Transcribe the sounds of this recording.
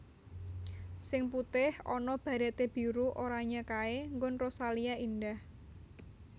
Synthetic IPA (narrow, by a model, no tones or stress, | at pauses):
sɪŋput̪ɪhɔnɔb̥a̤ɾat̪eb̥i̤ɾuʔoɾaɲakaeŋɡʊnrosaliaindah